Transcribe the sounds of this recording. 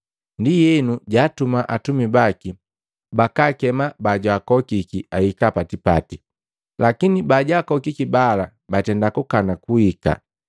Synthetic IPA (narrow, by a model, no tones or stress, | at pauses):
ndijɛnuɟaːtumaʔatumibaki | bakakɛmabaɟwaːkɔkikiaikapatipa̰ti | lakinibaɟaːkɔkikibala | batɛndakukanakuika̰